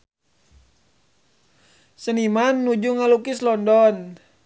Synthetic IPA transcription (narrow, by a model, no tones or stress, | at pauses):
sənimanːud͡ʒuŋalukislɔndɔn